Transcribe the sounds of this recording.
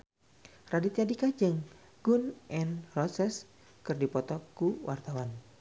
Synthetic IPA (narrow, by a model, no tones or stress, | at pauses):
radit̪adikad͡ʒɨŋ | ɡ̥unʔɛnrɔsɛs | kɨrdipɔt̪ɔkuwʔart̪awan